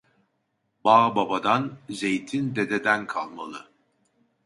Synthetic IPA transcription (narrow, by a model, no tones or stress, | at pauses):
baːbabad̪anze̞jt̪ʰind̪ed̪ed̪ænkʰalˠma̰lˠɯ